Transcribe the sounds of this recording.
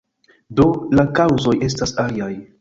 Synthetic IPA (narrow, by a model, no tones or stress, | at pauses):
do̞lakawzo̞je̞s̬tasaliaj